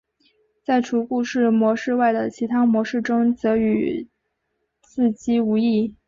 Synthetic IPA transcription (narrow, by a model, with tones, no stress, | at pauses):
t͡sa˥˩ɪʈ͡ʂʰu˧˥ku˥˧ʂɻ̩˥˩mwɔ˧˥ʂɻ̩˥˧wa˥˩ɪd̪ə˩t͡ɕʰi˧˥t̪ʰa˥mwɔ˧˥ʂɻ̩˥˩ʈ͡ʂʊ˥ŋt͡sɤ˧˥y˨˩ | t͡sɹ̩˥˩t͡ɕi˥u˧˥i˥˩